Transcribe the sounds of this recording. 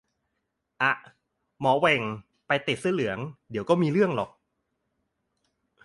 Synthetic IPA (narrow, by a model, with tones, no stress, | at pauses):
ʔa˧˩ʔ | mɔː˩˦wɛ˧˩ŋ | pa˧jt̪i˨˩t̪̚sɯ˥˩lɯ˨˩˦əŋdi˨˦əwkɔː˥˩miː˧ɾɯ˥˩əŋlɔː˨˩k̚